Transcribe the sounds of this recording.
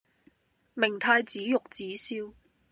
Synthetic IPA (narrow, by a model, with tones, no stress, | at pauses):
mɪ˨˩ŋt̪ʰaː˧jt͡siː˨˥jʊ˨k̚t͡siː˨˥siː˥w